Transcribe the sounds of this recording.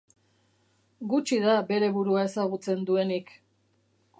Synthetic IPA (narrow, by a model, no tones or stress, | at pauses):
ɡut͡ʃiðabe̞ɾe̞βuɾuae̞saɣ̞ut͡se̞nd̪ue̞nik